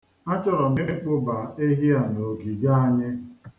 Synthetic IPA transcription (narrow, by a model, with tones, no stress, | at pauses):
a˦t͡ʃɔ˦ɾɔ˨me˦k͡pʊ˦ba˨e˦ɦi˦a˨no˨ɡi˨ɡa˦a˦ɲɪ˦